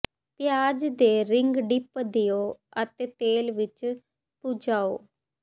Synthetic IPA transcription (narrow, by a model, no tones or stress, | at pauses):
pɪjaːd͡ʒd̪eːɾɪŋɡɖɪpd̪ɪjoːət̪eːt̪eːlʋɪt͡ʃ | pud͡ʒaːo̰ː